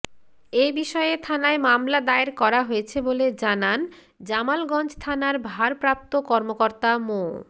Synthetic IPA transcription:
ebiʃɔeet̪ʰanaemamlad̪aeɾkɔɾaɦoet͡ɕʰeboled͡ʑanan | d͡ʑamalɡɔnd͡ʑt̪ʰanaɾbʱaɾpɾap̚t̪okɔɾmokoɾt̪amo

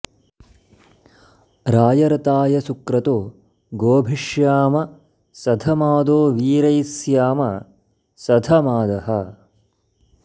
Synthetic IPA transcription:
ɾaːjɐɾɐt̪aːjɐsukɾɐt̪oː | ɡoːbʱiʂjaːmɐ | sɐd̪ʱɐmaːd̪oːʋiːɾɐjsjaːmɐ | sɐd̪ʱɐmaːd̪ɐɦɐ

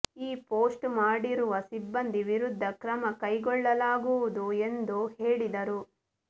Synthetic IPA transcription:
iːpoːsʈmaːɽiɾuʋɐsibːɐnd̪iʋiɾud̪ʱːɐkɾɐmɐkɐjɡɔɭːɐlaːɡuʋud̪ue̞nd̪uheːɭid̪ɐɾu

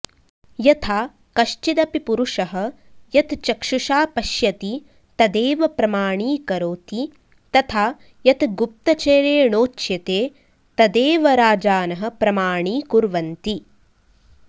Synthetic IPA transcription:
jɐt̪ʰaː | kɐʃt͡ʃid̪ɐpipuɾuʂɐɦɐ̆ | jɐt̪t͡ʃɐkʂuʂaːpɐʃjɐt̪i | t̪ɐd̪eːʋɐpɾɐmaːɳiːkɐɾoːt̪i | t̪ɐt̪ʰaː | jɐt̪ɡup̚t̪ɐt͡ʃeːɾeːɳoːt͡ʃjɐt̪eː | t̪ɐd̪eːʋɐɾaːd͡ʒaːnɐɦɐ̆pɾɐmaːɳiːkuɾʋɐnt̪i

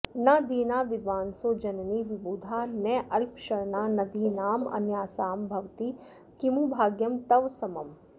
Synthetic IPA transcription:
nɐd̪iːnaːʋɪd̪ʋaːnsoːd͡ʒɐnɐniʋibuːd̪ʱaːnɛːʔɐlpʃɐɾɳaːnɐd̪ʱiːnaːmɐ̰njaːsaːmbʱɐʋt̪i | kimubʱaːɡjɐmt̪ɐʋsɐmɐm

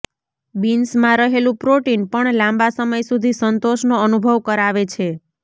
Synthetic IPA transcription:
binsmãɾəɦelũpɾoʈinpəɳlãmbasəməjsud̪ʱisənt̪oʃnoənubʱəʋkəɾaʋet͡ʃʰe

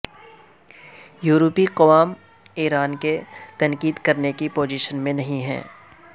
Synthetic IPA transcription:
juːɾopiqɐʋaːm | iːɾaːnket̪ɐ̃nkiːd̪kɐɾnekipoːd͡ʒiːʃənmẽnɐɦĩɦɛ̰̃ː

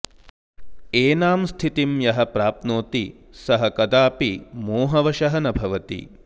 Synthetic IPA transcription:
eːnaːmst̪ʰit̪imjɐɦɐpɾaːp̪̚noːt̪i | sɐɦɐkɐd̪aːpimoːɦɐʋɐʃɐɦɐnɐbʱɐʋɐt̪ḭ

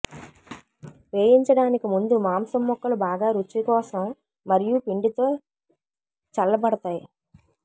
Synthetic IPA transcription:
ʋeːjiɲt͡ʃɐɽaːnikimund̪umaːmsɐmːɔkːɐlubaːɡaːɾut͡ʃːikɔːsɐmː | ɐɾijupiɳɖit̪o̞ː | t͡ʃɐlːɐbɐɽɐt̪aːji

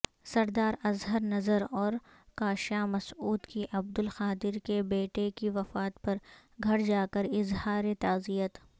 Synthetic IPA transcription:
sɐɾd̪aːɾɐzɦəɾnɐzəɾɔːɾ | kaːʃaːmɐsuːd̪kiʔɐb̚d̪ʊlxaːd̪ɪɾkebeːʈekiʋɐfaːt̪pɐɾɡʱɐɽd͡ʒaːkəɾɪzhaːɾet̪aːzijət̪

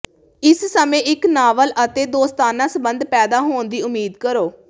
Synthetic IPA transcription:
ɪssəmẽːʔɪknaːʋəlʔət̪eːd̪oːst̪aːnãːsəbənd̪pɛːd̪aːɦoːnd̪iːʊmiːd̪kəɾoː

